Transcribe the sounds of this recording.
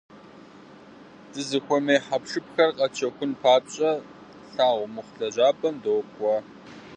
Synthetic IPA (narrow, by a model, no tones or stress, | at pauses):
d̥ɨzɨxʷɔmeːħapʂɨpxɐrqʼɐt͡ʃʰɐxʷʊnpʰaːpɕʼɐ | ɬaːʁʷʊmʊχʷɬɐʑaːbɐndoːpʼɔ